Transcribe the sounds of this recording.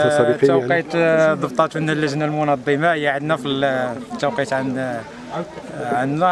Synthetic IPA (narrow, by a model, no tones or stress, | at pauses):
æwqit̪d̪ˤəb̚t̪ˤɑt̪wənːælːəʒnalmʊnɑd̪ˤːəmɑjaʕəd̪næfilt̪ːæwqit̪ʕn | ʕanːæ